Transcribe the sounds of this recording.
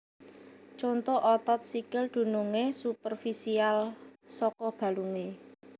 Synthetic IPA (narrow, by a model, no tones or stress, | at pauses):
t͡ʃont̪oʔɔt̪ɔt̪̚sikɪld̪̥ṳnuŋesupərfisialsɔkɔb̥a̤luŋe